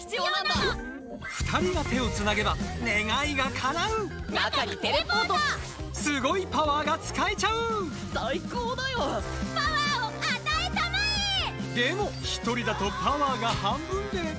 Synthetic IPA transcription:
çi̥t͡sɨjoːnãnd̪a | ɸɯ̟̥t̪ʰaɾʲiɡat̪e̞o̞t͡sɨnaɡe̞bane̞ɡaiɡakʰaɾaɯ̟nakaɲʲit̪eɾepoːt̪o | sɨɡo̞ipaβaːɡat͡sɨ̥kae̞t͡ɕaɯ̟ | saikoːd̪ajopaβaoat̪aet̪amaɲid̪e̞mo̞çi̥t̪o̞ɾʲid̪at̪o̞paβaːɡahãmbɯ̟̃nd̪e

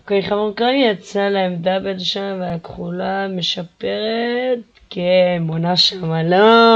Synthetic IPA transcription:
koiχavuʁkanat͡salaemd̪abed̪oʃaveakχulameʃapeʁet̪ | keːmonaʃamalo

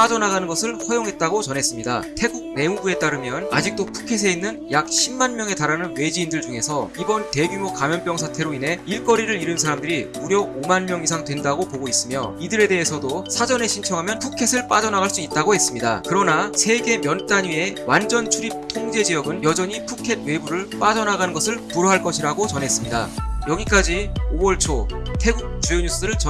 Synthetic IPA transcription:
pad͡ʑʌnaɡanɯnɡʌsʰɯɭɸʌjoŋɦe̞t̚t͈aɡot͡ɕʌnɦe̞s͈ɯmɲida̰tʰe̞ɡuɡ̚ne̞muɡue̞t͈aɾɯmjʌna̰d͡ʑik̚t͈opʰu̥kʰe̞s̬ʰe̞inːɯnjak̚ɕʰimːanmjʌŋe̞taɾanɯnwe̞d͡ʑiːndɯɭd͡ʑuŋe̞sʰʌibʌnte̞ɡumokamjʌnp͈jʌŋsʰatʰe̞ɾoinɦe̞iɭk͈ʌɾiɾɯɾiɾɯnsʰaɾamdɯɾi | uɾjʌomanmjʌŋis̬ʰaŋdwe̞ndaɡopoɡois͈ɯmjo̰idɯɾe̞de̞ɦesʰʌdosʰad͡ʑʌne̞ɕʰint͡ɕʰʌŋɦamjʌnpʰukʰe̞sʰɯɭp͈ad͡ʑʌnaɣaɭs͈uit̚t͈aɡoɦe̞s͈ɯmɲida̰kɯɾʌnasʰe̞ɡe̞mjʌnt͈aɲɥie̞wand͡ʑʌnt͡ɕʰuɾip̚tʰoŋd͡ʑe̞d͡ʑijʌɡɯnjʌd͡ʑʌɲipʰukʰe̞d̚we̞buɾɯɭp͈ad͡ʑʌnaɡanɯnɡʌsʰɯɭpuɾoɦaɭk͈ʌɕʰiɾaɡot͡ɕʌnɦe̞s͈ɯmɲida̰jʌɡik͈ad͡ʑiowʌɭt͡ɕʰotʰe̞ɡuk̚t͡ɕ͈ujoɲus͈ɯɯɾɯɭt͡ɕ

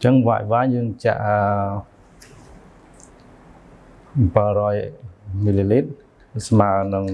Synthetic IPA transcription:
t͡ɕəŋʋa̰ːj̚ʋaːɲjəːŋt͡ɕa̰ʔə | pərɔjmililiːt̪̚ | smaːnɨŋ

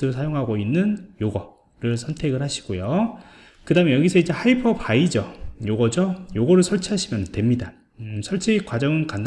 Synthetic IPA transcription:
ɯɾɯɭsʰajoŋɦaɡoinːɯnjoɡʌ | ɾɯɭsʰʌntʰe̞ɡɯɭhaɕʰi̥ɡ̥ojo | kɯdaɦɯmejʌɡisʰʌid͡ʑe̞haipʰʌbaid͡ʑʌjoɡʌd͡ʑojoɡʌɾɯɭsʰʌɭt͡ɕʰaɕʰimjʌnɯntwe̞mɲida | sʰʌɭt͡ɕʰikwad͡ʑʌŋɯnkand

